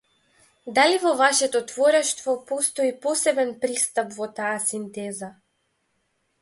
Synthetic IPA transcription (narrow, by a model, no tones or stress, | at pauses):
d̪alivɔvaʃɛt̪ɔt̪vɔɾɛʃt̪vɔpɔst̪ɔipɔsɛbɛnpɾist̪apvɔt̪aːsint̪ɛza